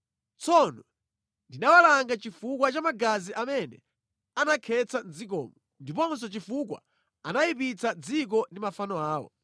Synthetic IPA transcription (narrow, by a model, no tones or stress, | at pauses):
t͡sɔnɔ | ndinawalaŋɡat͡ʃifukwat͡ʃamaɡaziʔamɛnɛ̰ | anakʰɛt͡sand͡zik̬ɔ̰ːmɔ | ndipɔns̬ɔt͡ʃifuk̬wa̰ | anajipit͡sad͡zik̬ɔndimafanɔaːwɔ̰